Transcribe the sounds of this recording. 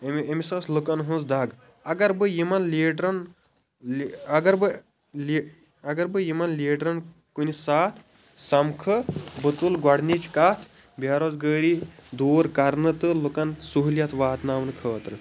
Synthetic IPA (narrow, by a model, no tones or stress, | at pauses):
memisɐːslukɐnɦũnsd̪ɐɡ | ɐɡɐɾbɨjimɐnliːʈɾɐn | ɐɡɐɾbɨ | l | ɐɡɐɾbɨjimɐnleːʈɾɐn | kunisaːt̪ʰ | sɐmkʰɨbɨt̪ulɡwɐɽnit͡ʃʰkaːt̪ʰ | bʱjaːɾozɡəːɾid̪oːɾkɐɾnɨt̪ɨlukɐnsuɦuljɐt̪ʰʋaːt̪naːmnɨkʰəːt̪ɾɨ